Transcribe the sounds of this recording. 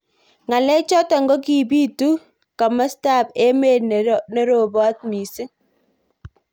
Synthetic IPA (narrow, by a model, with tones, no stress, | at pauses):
ŋa˨lɛ˦t͡ʃɔ˦ta˨ŋɡɔ˦ki˨biː˦tu˦ | ka˨ma˦sta˦˨pe˦me˦˨ne˦ɾo˨bɔ˦t̚mi˨sɪ˦